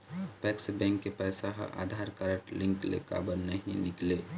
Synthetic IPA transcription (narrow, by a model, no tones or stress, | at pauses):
pɛːksbɛ̃ŋkːepɛsaɦʔa̰ːd̪ʱaɾkəɾəʈlɪ̃ŋklḛka̰ːbəɾnəɦĩnɪkleː